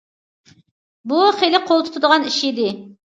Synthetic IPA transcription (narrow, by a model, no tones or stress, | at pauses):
buχelɪqʰolˠt̪ʰu̥t̪ʰud̪əʁɑniʃid̪ɪ